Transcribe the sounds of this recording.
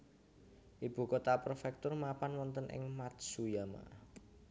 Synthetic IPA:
ʔib̥ṳkot̪apərfɛk̚t̪ʊrmapanwɔnt̪ənʔɪ̰ŋmat̪sujama̰

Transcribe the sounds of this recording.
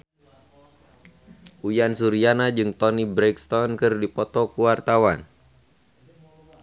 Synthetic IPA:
ʔujansuɾianad͡ʒɨŋt̪ɔnibɾɛkst̪ɔnkɨrdipɔt̪ɔkuwart̪awan

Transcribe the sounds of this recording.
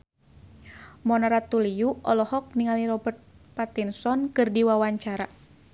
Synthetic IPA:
mɔnaɾat̪uliuɔ̰lɔhɔk̚niŋaliɾɔbərt̪̚ | pat̪insɔnkɨrdiwawaɲt͡ʃaɾa

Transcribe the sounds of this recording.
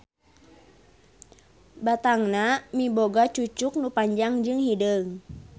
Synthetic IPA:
bat̪aŋnamiboɡat͡ʃut͡ʃuk̚nupaɲd͡ʒaŋd͡ʒɨŋhidəŋ

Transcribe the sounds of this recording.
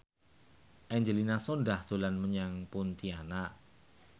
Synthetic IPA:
ʔɛɲd͡ʒəlinasondaht̪olanməɲaŋpʊnt̪iana

